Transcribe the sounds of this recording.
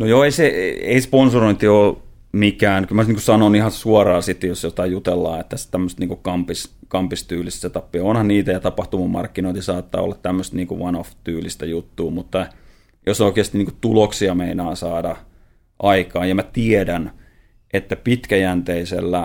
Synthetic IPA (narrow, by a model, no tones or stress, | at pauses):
nojoːeiseḛisponsoroint̪ioː | mikæːnkylmæniːŋkusɑnonihɑsuɑrɑːsit̪ːejosjot̪ɑjut̪elːɑ̰ːet̪ːæst̪æmːøst̪niːŋkukɑmpiskɑmpist̪yːlist̪set̪ɑpːiɑonhɑnniːt̪æjɑt̪ɑpɑht̪umɑmɑ̰rkːinoˑint̪isɑːt̪ːɑ̰ːo̰lːɑt̪tæmːøst̪niːŋkuʋɑnoft̪yːlist̪æjut̪ːuːmut̪ːɑ | josoikeːst̪iniːku̥t̪uloksiɑmeinɑːnsɑːdɑ | ʔɑikɑːjjɑmæt̪iedæn | ʔet̪ːæpit̪kæjænt̪eisḛlːæ